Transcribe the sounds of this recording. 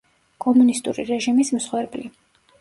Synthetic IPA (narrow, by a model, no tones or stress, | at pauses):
kʼɔmunist̪ʼṵɾḭɾɛʒimism̩sχwɛɾbli